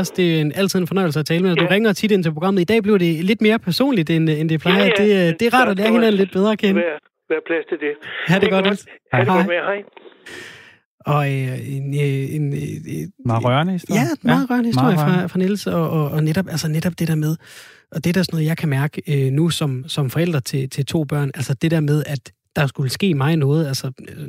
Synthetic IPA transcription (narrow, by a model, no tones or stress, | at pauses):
ɐsd̥e̝æe̝næl̰t͡sʰið̰ˠenfɒ̽nɒɪl̩səæt͡sʰɛːləmeæsd̥uʁɛŋɐɒt͡sʰid̥e̝nt͡sʰe̝pʰʁo̝ɡʁɑ̈m̰əð̩ˠid̥ɛ̰ːb̥liɐɾ̥e̝le̝d̥me̝ːɐpʰæɐso̝̰ːnlid̥enend̥e̝pʰlɑ̈ɪɐd̥e̝d̥e̝ʁɑ̰̈ːɾɒlɛːɐhenæn̩le̝d̥b̥eð̞ˠʁɐːkʰenə | ʋæɐpʰlæsd̥ʰed̥ehæd̥eɡ̥ɒd̥elhɑɪ | ɒ̽enøen | ʁɶɐnəisd̥jæmɑ̈ːð̩ˠʁɶɐ̰nəhiso̰ɐjfʁɑ̈fʁɑ̈nel̩səɒ̽ɒːneɾ̥ɒb̥ælsəneɾ̥ɒ̽b̥d̥e̝ɾ̥ɛɐmeð̞ˠ | ʔɒ̽d̥e̝d̥æɐsɒ̽nɔ̽ːð̩ˠjɑ̈ɪkʰæmæɐɡ̥əønusɒ̽msɒ̽mfɒ̽el̰d̥ʁɐt͡sʰe̝t͡sʰe̝lt͡sʰo̝̰ːb̥ɶɐ̰nælsəd̥e̝d̥æɐmeð̞ˠæd̥ːɑ̈sɡ̥uləsɡ̥e̝̰ːmɑ̈ɪnɔ̽ːð̞̩ˠælsə